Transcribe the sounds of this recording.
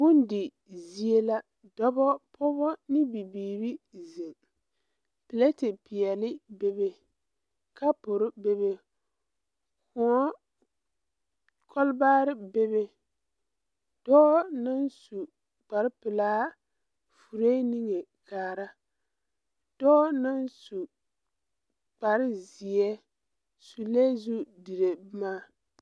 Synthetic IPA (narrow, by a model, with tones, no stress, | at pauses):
bʊ˦n˦dɪ˨ | zi˦e˦la˦ | dɔ˦bɔ˦pʰʊ˦bɔ˦nɪ˦bi˨biː˨ɾi˦ze˨ŋ | pɪ˨le˦tɪ˨pɪ˨ɛ˨lɪ˦be˦be˦ | ka˦pʊ˨ɾɪ˦be˦be˦ | kʊ˨ɔ˦ | kʰɔ˦lbaː˦ɾɪ˦be˦be˦ | dɔ˦nɨ˦nsu˨ | k͡pa˨ɾɪ˦pɪ˨laː˦ | fu˨ɾe˦ni˦ŋe˨ | kaː˨ɾa˦ | dɔ˦nɨ˦nsu˨ | k͡pa˨ɾɪ˦zi˨ɛ˦ | su˨le˦zu˦di˨ɾe˨˦maː˦